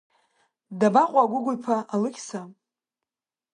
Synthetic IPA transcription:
dabaqʷʼaɡʷʊɡʷʊpʰaʔalɨkʲʰʼsa

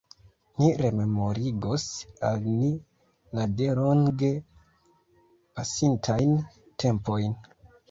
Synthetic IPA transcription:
niɾe̞me̞mo̞ɾiɡosalni | ladeɾoŋɡe̞ | pasintʰajn | tʰe̞mpo̞jn

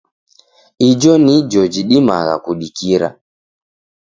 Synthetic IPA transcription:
id͡ʒɔnid͡ʒɔd͡ʒiɗima̰ɣa̰kuɗikiɾa̰

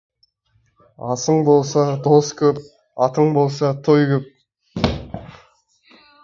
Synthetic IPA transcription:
ɑsəɴbo̞lˠsɑd̪oskʲʰɵp | ɑt̪əɴbo̞lˠsɑt̪ʰojkʲʰɵp̚

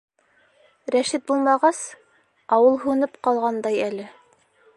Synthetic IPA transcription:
ɾæʃit̪̚bulˠmɑʁɑs | ɑwɤlˠɦʉnɘpqɑlˠʁɑnd̪ɑjælɘ

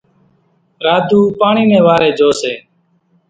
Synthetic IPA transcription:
ɾaːd̪ʱuːpaːɳiːmẽːʋaːɾeːd͡ʒoːseː

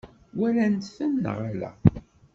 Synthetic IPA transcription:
wælænt̪fənːə̰ʁlæ̰

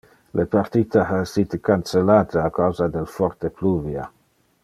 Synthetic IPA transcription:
lʔepart̪it̪aasit̪ekant͡selaːt̪eakawzad̪elfɔrt̪epluvja̰

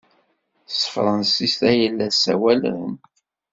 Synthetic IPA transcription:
θsə̥fɾˤənsist̪æjəlːæsæ̰wælɾə̰m

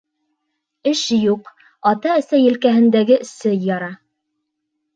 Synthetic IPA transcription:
ɘʃjuq | ɑt̪ɑæ̆sæjɘ̆lkæɦɘ̆nd̪æɡɘsɘjːɑɾɑ

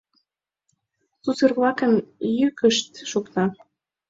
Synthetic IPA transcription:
susərβlɑkə̆njykəʃt̪ʃukt̪ɑ

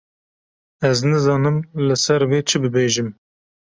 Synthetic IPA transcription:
ɛznɨzɑːnɨmlɨsɛɾweːt͡ʃʰɨbɨbeːʒɨm

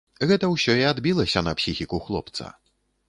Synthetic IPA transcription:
ɣɛt̪ɐwsʲɔiad̪bʲilˠɐsʲɐnɐpsʲixʲikuxlˠɔpt̪sɐ̰

